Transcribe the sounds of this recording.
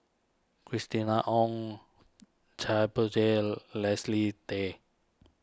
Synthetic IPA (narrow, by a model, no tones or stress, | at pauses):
kɾist̪inaʔɔŋ | d͡ʒajbot͡ʃelɛslit̪e